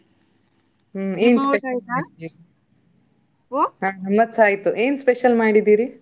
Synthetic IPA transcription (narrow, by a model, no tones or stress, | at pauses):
eːnspeʃaːɽid̪iːɾi | ɦaːnɐmːɐt̪saːjt̪ːuʔeːnspeʃɐlmaːɽid̪iːɾi